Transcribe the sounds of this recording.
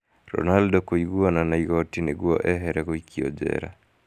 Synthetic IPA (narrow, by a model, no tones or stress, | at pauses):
ɾɔ̰naldɔkoiɡwonanaiɣɔtineɡwɔʔɛɦɛɾɛɣoikiɔ̰d͡ʒɛ̰ɾa̰